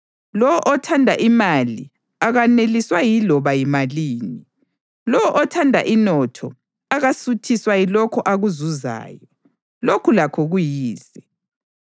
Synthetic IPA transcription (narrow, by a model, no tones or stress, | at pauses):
lɔwɔʔɔtʰandʱa̰ʔimali | aɣaneliswajilɔβajimaliːni | lɔwɔʔɔtʰandʱa̰ʔinɔtʰɔ | aɣasutʰiswajilɔkʰɔʔaɣuzuza̰ːjɔ | lokʰulakʰɔɣujiːsɛ